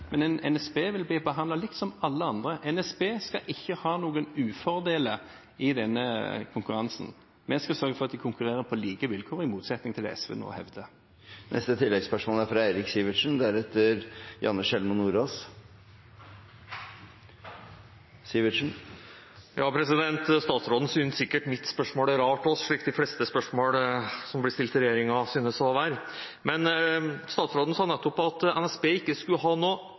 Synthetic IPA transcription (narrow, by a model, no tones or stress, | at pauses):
mɛnɛnɛ̰nɛsbeːʋɪlbɪbəɦɑnlɑlɪkt̪sɔmɑlːəɑnd̪ʁəʔɛnɛsbeːskɑʔɪçːəhɑːnuːɡənʉːfɔʁd̪eːlə | ɪd̪ɛnːəkʰʊŋkʉɾɑnsn̩ | mɛskɑsœɾɡəfɔɾʁɑt̪̚d̪ɪkʰʊŋkʉʁeːʁəpʰɔliːɡəʋɪlkʰoːɾɪmuːt̪sɛt̪nɪŋt̪ʰɪlɛ̰ɛ̰sʋḛːno̰ːhɛ̰ʋd̪ə | nʔɛ̰st̪ət̪ʰɪlːɛɡspœʂmoːlæɾfɾɑæɪɾɪksiːʋɪʂnd̪æɾɛt̪ːəɾjɑ̰nːəʂɛlmʊnuːɾoːs | siːʋɪʂn̩ | jʔɑːpʰɾɛsɪd̪ɛnt̪st̪ɑːt̪sɾoːd̪n̩sʏnsɪkːəʈmɪt̪ːspœʂmoːlæɾɑːʈɔsʂɭiːkd̪ɪflɛst̪əspœʂmoːlsɔmblɪst̪ɪlt̪ɪɾɛjeːɾɪŋɑsyːnəsɔʋæːɾ | mɛnst̪ɑːt̪sɾoːd̪n̩sɑːnɛt̪ːɔpːɑt̪ɛnɛsbeːɪkːəskʉəhɑːnoː